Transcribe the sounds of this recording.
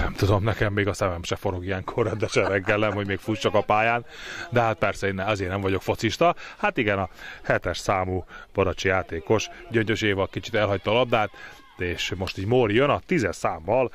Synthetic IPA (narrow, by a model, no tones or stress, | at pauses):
nɛmt̪ud̪o̞mnɛkɛmːeːɡɒsɛmɛmʃɛfoɾo̞ɡijɛŋkʰo̞rɑd̪ɛʃɛɾɛɡːɛlnɛmho̞ɟmeːkfuːst͡ʃːɒkɒpaːjaːnd̪ɛɦat̪̚pɛrsɛeːnːɛɒzeːrnɛɱvɒɟokfo̞t̪siʃt̪ɒhat̪iɡɛnɒhɛt̪ɛʃsaːmuːb̥ɒɾɒt͡ʃijaːt̪eːko̞ʃɟøɲt̪øʃeːvɒlkit͡ʃi̥t̪ɛlɦɒc̚t̪ɒːlɒb̚d̪aːt̪ | eːʃmo̞ʃt̪iːɟmorjønɒt̪izɛʃsaːmːɒl